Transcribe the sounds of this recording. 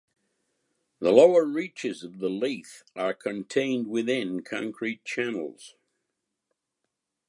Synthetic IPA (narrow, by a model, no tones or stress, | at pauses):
ðəloʊə˞ɹit͡ʃɨzʌvðəliθə˞kʰɨ̃ntʰẽɪ̃nd̚wɪθɪ̃nkʰɑ̰̃ŋkʰɹ̥it̚t͡ʃʰænl̩ˠz̥